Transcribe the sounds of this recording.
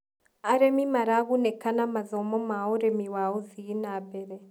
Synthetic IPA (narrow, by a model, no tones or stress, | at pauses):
aɾemimaɾaβunekanamazomomaoɾemiwaoziinabeɾe